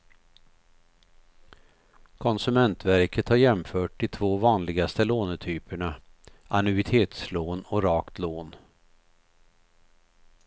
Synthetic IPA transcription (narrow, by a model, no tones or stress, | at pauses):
kʰɔnsɵmɛnt̪væɾkət̪haɾjɛmfœːʈːɪt̪ʰvoːvɑːnlɪɡast̪əloːnt̪ʰyːpəɳaʔanɵɪt̪ʰeːt̪sloːnɔɾɑːkt̪loːn